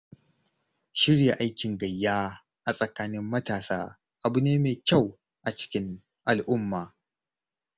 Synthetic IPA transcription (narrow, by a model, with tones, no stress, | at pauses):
ʃɪ˦ɽja˨ʔa˦jkʲɪ˨ŋɡɐ˨jːaː˦ | ʔa˨sʼɐ˨kaː˦nɪ˦mːɐ˦taː˨saː˦ | ʔa˨bu˨neː˦meː˨kʲɐ˦˨w | ʔa˨t͡ʃɪ̥˦kʲɪ˦ŋ | ʔa˨lʔʊ˦mːaː˨